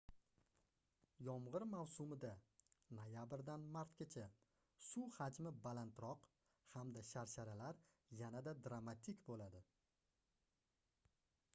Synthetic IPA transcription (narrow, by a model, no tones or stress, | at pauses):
jɒmʁɨɾmawsʊmɪd̪anojabɾd̪anmaɾt̪ɡʲet͡ʃʰa | suhad͡ʒmɪbalant̪ɾɒq | hamd̪aʃaɾʃaɾalaɾ | janad̪ad̪ɾamat̪ʰikʲbolad̪ɪ